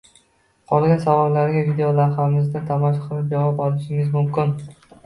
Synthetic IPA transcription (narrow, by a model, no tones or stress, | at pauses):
qʰɒlˠɡʲansavɒɾlaɾɡʲavid̪ejolaɾɦamɪzd̪at̪ʰamɒʃ̬qʰɨlˠɪp̚d͡ʒavɒpɒlˠɪʃɪmɪzmʊmkʲɪn